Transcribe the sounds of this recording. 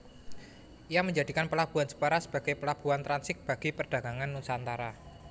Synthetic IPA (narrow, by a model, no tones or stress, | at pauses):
ʔijaməɲd͡ʒad̪i̤kanpəlab̥ṳansə̥pəɾasə̥b̥a̤ɡ̥ajpəlab̥ṳant̪ɾansɪk̚b̥a̤ɡ̥ipərɖ̥a̤ɡ̥a̤ŋanːunsaːnt̪aɾa